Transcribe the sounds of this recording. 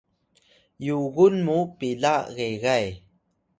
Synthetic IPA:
juɣunmupilaɣeɣaj

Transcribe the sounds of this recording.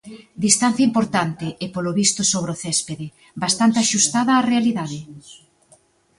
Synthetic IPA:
d̪ist̪an̟θjaɐimpoɾt̪ant̪ɪʔepoloβist̪ʊsoβɾeoθɛspeðɪ | bast̪ant̪eaʃust̪aðɐːrealiðaðɪ

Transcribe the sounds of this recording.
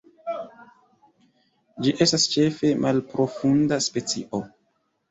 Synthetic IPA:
d͡ʒiʔe̞stast͡ʃe̞fe̞mʔalpɾo̞fundaspe̞t͡sḭʔo̞

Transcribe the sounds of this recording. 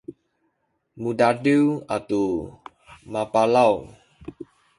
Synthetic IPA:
mudadiwat̪u | mapalaw

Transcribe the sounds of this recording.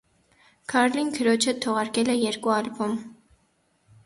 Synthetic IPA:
kʰɑɾlinkʰəɾɔt͡ʃʰət̪ʰɔʁɑɾkɛlɛjɛɾkuɑlbɔm

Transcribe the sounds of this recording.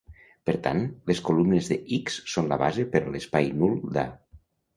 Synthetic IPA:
pəɾt̪a̰nleskolumnezðeʔiksːonlaβazepəɾlespajnulˠd̪a̰

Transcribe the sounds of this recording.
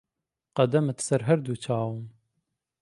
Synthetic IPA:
qɐd̪ɐmɨt̪sɐɾɦɐɾd̪ut͡ʃʰɑːwɨn

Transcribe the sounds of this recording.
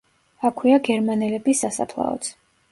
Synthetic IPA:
akʰwiaɡɛɾmanɛlɛbisasa̰pʰlˠa̰ɔ̰t̪sʰ

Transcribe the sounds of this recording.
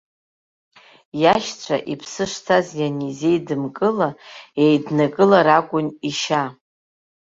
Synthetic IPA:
jaʃt͡ɕʷʰa̰ʔipʰsɨʂtʰazjanizejdɨmkʼɨlaejdnakʼɨlaɾakʷʼʊniʃa

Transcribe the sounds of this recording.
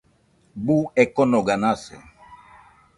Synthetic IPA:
buɛkɔnɔɡanasɛ̰

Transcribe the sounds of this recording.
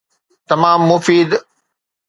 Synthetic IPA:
t̪ɐmaːmːʊfiːd̪

